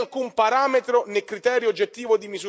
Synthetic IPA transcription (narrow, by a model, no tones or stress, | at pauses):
lkumpaɾaːmet̪ɾonekɾit̪ɛːɾjod͡ʒːet̪ːiːvod̪imizu